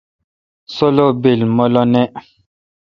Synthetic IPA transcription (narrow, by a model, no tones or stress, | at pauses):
solobelmɔlɔnɛ